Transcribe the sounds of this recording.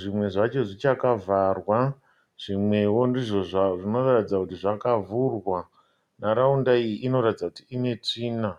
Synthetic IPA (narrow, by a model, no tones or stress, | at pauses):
ʐimwe̞ʐat͡ʃo̞ʐit͡ʃakavarwa | ʐ̥imwe̞wondiʐo̞ʐaʐino̞ratid͡zakutiʐakavurwa | naɾaundaijiʔino̞ɾatid͡zakutiine̞t͡ʂiːna